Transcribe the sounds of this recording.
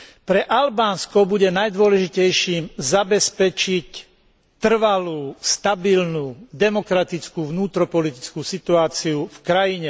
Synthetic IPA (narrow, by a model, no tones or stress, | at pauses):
pɾɛʔalbaːnskɔbuɟɛnajd̪ʊɔlɛʒicɛjʃiːmzabɛspɛt͡ʃic | t̪r̩ʋaluːst̪abilnuːd̪ɛmɔkɾat̪it͡skuːʋnuːt̪ɾɔpɔlit̪it͡skuːsit̪uaːt͡siufkɾajiɲɛ